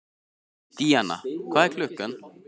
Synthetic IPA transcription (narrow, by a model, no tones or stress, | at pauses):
d̪̥iːana̰kʰɑːækʰlʉkən